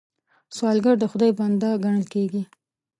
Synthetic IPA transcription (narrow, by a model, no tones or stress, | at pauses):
swɑlɡaɾd̪əxʊd̪ɑjband̪ɑɡaɳəlkeɡi